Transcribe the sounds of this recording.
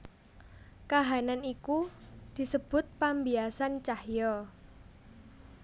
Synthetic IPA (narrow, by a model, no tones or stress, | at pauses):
kaɦananikud̪̥i̤səb̥ʊ̤t̪̚pambiasant͡ʃahjɔ